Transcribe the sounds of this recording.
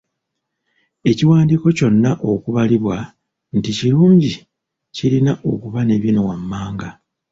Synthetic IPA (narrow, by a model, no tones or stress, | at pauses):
e̞ciwaːndiko̞co̞nːaʔo̞kuβaliβwa | nticiɾuːɲɟi | cilinaʔo̞kuβane̞βjino̞wamːaːŋɡa